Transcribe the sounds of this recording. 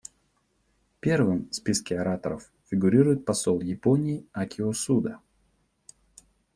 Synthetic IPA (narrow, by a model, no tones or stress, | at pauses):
pʲe̞rvɨmspʲiskʲɪɐɾat̪əɾəf | fʲɪɡʊɾʲiɾʊjɪt̪̚pɐsolˠjɪponʲɪːakʲɪosud̪ə